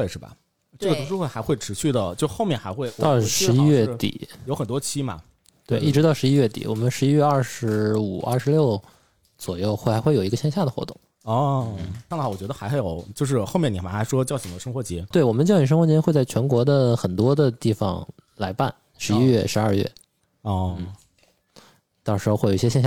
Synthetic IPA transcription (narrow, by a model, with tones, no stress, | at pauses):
e˥˧ɪʂɻ̩˥˩bɐ̰˩ | ʈ͡ʂɡə˩ʊ˧˥ʂu˥we˥˩xa˧˥ɪxwe˥˩ɪʈ͡ʂʰɻ̩˧˥ɕy˥˩d̪ə˩t͡ɕjo˥˧ʊʂxo˥˧ʊmjɛ˥˩nxa˧˥ɪxwe˥˩ɪt̪ɑ˥˧ʊʂɻ̩˥˧˥i˥ɥɛ˥˩˥t̪ḭ˨˩˦jo˧˥ʊxə˨˩nt̪wɔ˥t͡ɕʰi˥mɐ̰˩ | t̪we˥˧ɪi˥˩ʈ͡ʂɻ̩˧˥t̪ɑ˥˩ʊʂɻ̩˧˥i˥ɥɛ˥˩t̪ḭ˨˩wɔ̰˨˩mə˦nʂɻ̩˧˥i˥ɥɛ˥˧ɐ˥˩ʂɻ̩˧˥u˨˩ɐ̰˞˥˩ʂɻ̩˧˥ljo˥˩ʊ | t͡swɔ˨˩jo˥˧ʊxwe˥˩˥xwe˥˩jo˨˩ʊ˧˥ɡə˧ɕjɛ˥˧nɕja˥˩d̪ə˩xwɔ̰˧˥t̪ʊ̰˥˩ŋ | ɔ˥˧n̩˥˩˥ŋa˥˩wt͡ɕɥɛ˧˥d̪ə˧xa˧˥ɪxjo˨˩ʊt͡ɕjo˥˧ʊʂ̬ɻ̩˥˧xo˥ʊmjɛ˥˩ni˨˩a˧˥xa˧˥ɪʂwɔ˥t͡ɕjɑ˥˩ʊɕʰi˨˩ŋd̪ə˦ʂɤ˥ŋxwɔ˧˥˩t͡ɕjɛ˧˥t̪we˥˩ɪwɔ˨˩mə˦nt͡ɕjʊɕi˨˩ʂɤ˥ŋxɔ˧˥t͡ɕjɛ˥xwe˥˧ɪt͡sa˥˩ɪt͡ɕʰɥɛ˧˥nkwɔ˧˥d̪ə˧xə˨˩nt̪wɔ˥d̪ə˧t̪i˥˩fɑ̰˨˩ŋ | la˧˥ɪpa˥˩n | ʂɻ̩˧˥i˥ɥɛ˥˩ʂɻ̩˧˥ɐ˞˥˧ɥɛ̰˥˩ | ɔ˥˩n̩˥˩ | t̪ɑ˥˧ʊʂɻ̩˧˥o˥˧xe˥˩jjɛ˥ɕjɕja˥˩